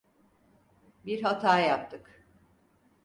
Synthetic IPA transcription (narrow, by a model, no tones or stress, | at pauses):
biɾɦat̪ʰaːjap̚t̪ʰɯk